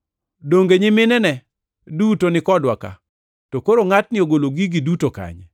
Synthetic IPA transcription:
doŋɡeɲɪmɪnɛnɛ | dutonɪkɔdwaka̰ | tokoɾoŋatnɪoɡoloɡiɡidutoka̰ɲ

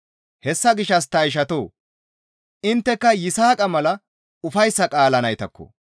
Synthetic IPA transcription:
hɛsːɐɡɪʃːɐs̬t̪ɐjʃ̬ɐt̪o̰ː | ɪnt̪ːɛkːɐjɪsaːkʼɐmɐlɐ | ʊfɐjsːɐkʼaːlɐnɐjt̪ɐkːɔ̰

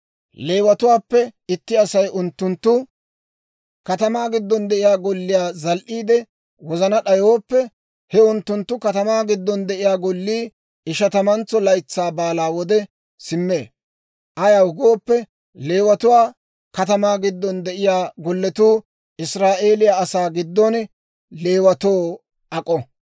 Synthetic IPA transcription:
le̞ːwɐt̪ʊwaːpːɛɪt̪ːɪɐsɐjʔʊnt̪ːʊnt̪ːʊ | kɐt̪ɐmaːɡɪd̪ːɔnd̪ɛʔɪjaːɡɔlːɪjaːzɐlʔiːd̪ɛ | wɔzɐnɐɗɐjoːpːɛ | hɛʊnt̪ːʊnt̪ːʊkɐt̪ɐmaːɡɪd̪ːɔnd̪ɛʔɪjaːɡɔlːiː | ɪʃɐt̪ɐmɐnt͡sːɔlɐjt͡sːaːbaːlaːwɔd̪ɛ | sɪmːeː | ʔɐjɐʊɡoːpːɛ | le̞ːwɐt̪ʊwaː | kɐt̪ɐmaːɡɪd̪ːɔnd̪ɛʔɪjaːɡɔlːɛt̪uː | ʔɪsɾaːʔe̞ːlɪjaɐsaːɡɪd̪ːɔn | le̞ːwɐt̪oː | ɐkʼɔ

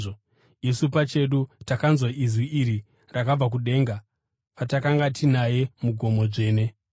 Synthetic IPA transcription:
o | isupat͡ʃe̞ɗutakanzwaizwiiɾi | rakab͡vak̬uɗe̞ːŋɡa | patakaŋɡatinaje̞muɡʱo̞mo̞ʐe̞ːne̞

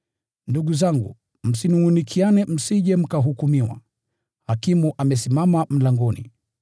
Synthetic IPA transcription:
nduɠuzaŋɡṵ | m̩sinuŋunikʰianɛm̩siʄɛm̩kaɦukumiwa̰ | hakimuʔamɛsimamam̩laŋɡɔnḭ

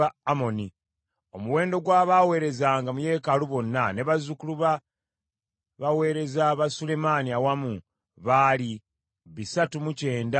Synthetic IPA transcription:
aamo̞ni | o̞muwe̞ːndo̞ɡwaːβaːwe̞ːɾe̞zaŋɡamuje̞ːkaluβo̞nːane̞βazukuluβa | βawe̞ːɾe̞zaβasule̞maːniawamu | βali | βisatumuce̞ːnda

